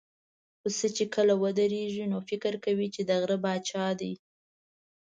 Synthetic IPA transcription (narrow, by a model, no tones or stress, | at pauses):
xəsət͡ʃekəlawəd̪əɾeʒinofɪkɪɾkawit͡ʃed̪aɣɾəbɑt͡ʃɑd̪aj